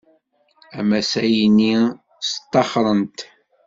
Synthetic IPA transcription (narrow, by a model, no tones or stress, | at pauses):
æmæsæjinːi | st̪ˤːɑχɾˤənt̪